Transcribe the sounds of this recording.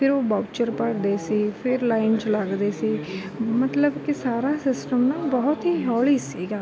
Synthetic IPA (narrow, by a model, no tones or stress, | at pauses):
pʰɪɾoːbɔːbt͡ʃəɾpəɽd̪eːsiːpʰɪɾlaːɪnt͡ʃləɡd̪eːsiː | mət̪ləbkɪsaːɾaːsɪsʈəmnãːbɔːʊt̪ɦiːɦɔːliːsiːɡaː